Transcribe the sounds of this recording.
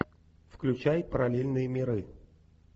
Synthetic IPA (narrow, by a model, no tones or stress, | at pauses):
fklʲʉt͡ɕæjpəɾɐlʲelʲnɨjəmʲɪɾɨ